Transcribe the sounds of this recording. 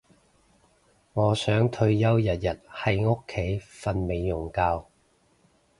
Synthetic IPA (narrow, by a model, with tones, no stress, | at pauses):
ŋɔː˨˧sœː˨˥ŋt̪ʰɵ˧ɥjɐ˥wjɐ˨t̚jɐ˨t̚hɐ˨jŋʊ˥kʰːe˨˥jfɐ˧nme˨˧jːʊ˨˩ŋkaː˧w